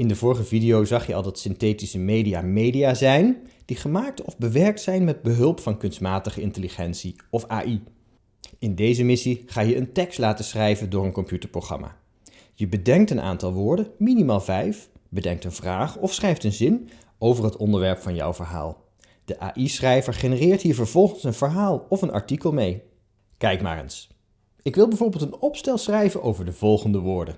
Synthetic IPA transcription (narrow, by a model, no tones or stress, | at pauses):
ɪndəvʊːɹχəvidijowzɑχjəɑ̰lˠdɑtsɪntejtisəmejdijaːmejdijaːzɛjnd̥iχəmaːk̚tɔvbəʋɛɹk̚tsɛjnmɛd̚bəɦɵlˠpfɑnkɵnstmaːtəχəɪntəliχɛntsi | ɔfa̰ːʔi | ɪndejzəmɪsiχaːjəəntɛkstlaːtəsrɛjvəndʊːɹənkɔmpjytəɹprowχrɑ̰ma̰ː | jəbədɛŋk̚tənʔa̰ːntɑlˠʋʊːɹdənminimaːlˠvɛjfbədɛŋk̚tənvraːχɔfsχrɛjftənzɪn | owvəɹɦətɔndəɹʋɛɹpfɑnjɔ̰wvəɹɦa̰ːlˠ | d̥əʔa̰ːʔisrɛjvəɹχenərɪːɹtɦiːɹvəɹv̥ɔlˠχənsənv̥əɹɦaːlˠɔfənʔɑ̰ɹtikəlˠmej | kɛjkma̰ːɾə̰ns | ɪkʋɪlˠbɛjvʊːɹbeːlˠtənɔpstɛlˠsrɛjvənʔowvəɹdəv̥ɔlˠχəndəʋʊːɹdən